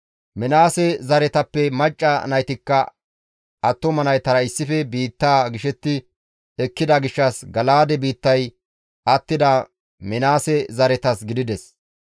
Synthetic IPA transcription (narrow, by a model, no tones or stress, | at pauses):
mɛnaːsɛzɐɾɛt̪ɐpːɛmɐt͡ʃʼːɐnɐjt̪ɪkːɐ | ɐt̪ːɔmɐnɐjt̪ɐɾɐɪsːɪfɛbiːt̪ːaːɡɪʃɛt̪ːɪ | ɛkːɪd̪ɐɡɪʃːɐsɡɐlaːd̪ɛbiːt̪ːɐj | ʔɐt̪ːɪd̪a | mɛnaːsɛzɐɾɛt̪ɐsɡɪd̪ɪd̪ɛs